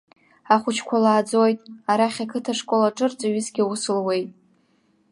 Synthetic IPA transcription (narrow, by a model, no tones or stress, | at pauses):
aχʷʊt͡ʃʰkʷʰalaːd͡zo̞jtʼaɾaχʲakʰɨtʰaʂkʼolaʈ͡ʂʼɨrt͡sʼaɥɪzɡʲiusɨlwe̞jtʼ